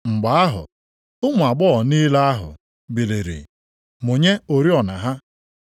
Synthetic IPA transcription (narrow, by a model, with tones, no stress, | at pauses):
ŋ͡m̩˨ɡ͡ba˨a˦ɦʊ̰˨ | ʊ˦mʊ˨a˨ɡ͡bɔ˦˨niː˦la˦a˦ɦʊ̰˨ | bi˨le˨ɾḭ˨ | mʊ˨ɲe˦o˨ɾi˦ɔ˨na̰˨ɦa˦